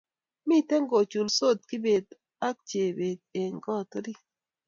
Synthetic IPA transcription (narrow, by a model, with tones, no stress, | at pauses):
mi˦tɛ˦ŋɡo˨t͡ʃu˨lso˦˨t̪̚kɪ˦be˨d̪ | a˦k̚t͡ʃe˨be˨d̪̚e˨ŋɡɔ˦˨t̪ɔ˦ɾi˦